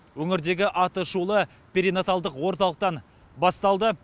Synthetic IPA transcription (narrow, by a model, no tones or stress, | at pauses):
wɵŋɪɾd̪e̞ɡʲɪʔɑt̪əʃulˠə | pʲeɾinot̪ɑlˠd̪əqwo̞ɾt̪ɑlˠəq̚t̪ɑn | bɑst̪ɑlˠd̪ə